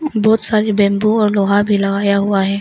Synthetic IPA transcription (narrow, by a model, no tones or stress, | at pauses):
bɔːt̪saːɾibɛ̃ːmbũɔːɾloːɦabʱilɐɡaːjaɦuaɦɛː